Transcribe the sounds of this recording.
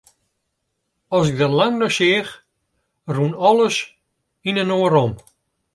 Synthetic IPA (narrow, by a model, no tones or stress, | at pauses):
ɔsɪɡ̚dəlaŋnɔʃɪəχ | runɔlˠəs | inənoːəɾɔm